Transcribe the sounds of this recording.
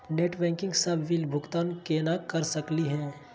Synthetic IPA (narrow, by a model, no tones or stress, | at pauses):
neːʈbɛ̃ːŋkɪ̃ŋɡsɐbʱʋilbʱʊkt̪aːnkeːnakɐɾsɐkliɦɛ̃ː